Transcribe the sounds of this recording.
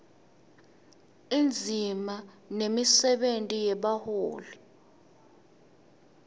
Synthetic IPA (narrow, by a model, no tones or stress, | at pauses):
ind͡zʱima | nemisɛɓentʼijɛɓahoːli